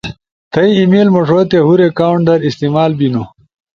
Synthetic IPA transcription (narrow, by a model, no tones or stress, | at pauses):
t̪ʰɐiimiːlmɐʂot̪eɦuɾekaːwɳʈɖɐɾist̪imaːlbino